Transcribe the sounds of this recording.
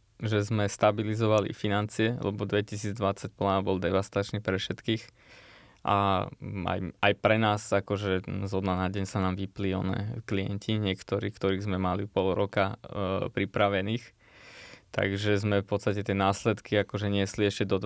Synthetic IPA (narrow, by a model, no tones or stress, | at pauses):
ʒɛzmɛst̪abilizɔʋalḭfinant͡siɛlɛ̰bɔd̪ʋɛcisiːd͡zd̪ʋat͡sac̚plabɔld̪ɛʋast̪at͡ʃniːpɾɛfʃɛt̪kiːx | ʔa̰a̰jajpɾɛnaːsakɔʒɛzɔd̪nanaɟɛɲsanaːmʋipliɔ̰nɛ̰ːkliɛ̰ncʰiɲɪɛkt̪ɔɾḭːkt̪ɔɾiːɣzmɛmalipɔlɾɔkapɾipɾaʋɛniːx | t̪a̰ɡʒɛzmɛfpɔt̪st̪acɛt̪ɪɛnaːslɛt̪kiakɔʒɛɲɪɛsliɛʃcɛd̪ɔ